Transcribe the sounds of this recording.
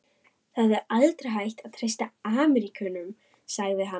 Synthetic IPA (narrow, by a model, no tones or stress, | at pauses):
θaðvɛɾalt̪ɾaɦajht̪aðt̪ʰɾ̥ejst̪aaːmɛɾikʰʏnʏm | saɣðɪɦa